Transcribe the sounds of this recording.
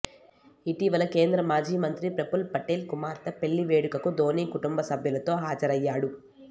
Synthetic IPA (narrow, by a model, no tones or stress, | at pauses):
iʈiʋɐlɐkeːnd̪ɾɐmaːd͡ʒiːmɐnt̪ɾipɾepulpɐʈeːlkumaːɾt̪ɐpe̞ɭːiʋeːɽukɐkud̪ʱo̞ːniːkuʈumbɐsɐbʱjɐlɐt̪o̞ːɦaːd͡ʒɐɾɐjːaːɽu